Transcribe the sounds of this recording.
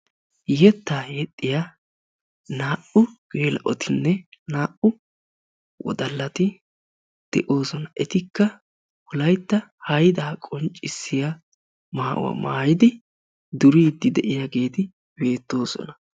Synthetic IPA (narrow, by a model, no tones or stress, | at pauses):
jɛt̪ːaːjɛt̪ʼːɪja | naːʔʊɡ̥eːlɐʔɔt̪ʰɪnːɛnaːʔʊ | wɔ̰d̪ɐlːɐt̪ɪ | d̪̥ɛʔo̞ːsɔnɐɛt̪ɪkːɐ | pʊlɐjt̪ːɐhɐjd̪aːkʼɔnt͡ʃʼːɪsːɪja | maːʔʊ̰wɐ̰ma̰ːjɪd̪ɪ | d̪ʊɾiːd̪ːɪd̪ɛʔɪjaɡe̞ːt̪ɪ | be̞ːt̪ːo̞ːsɔ̰nɐ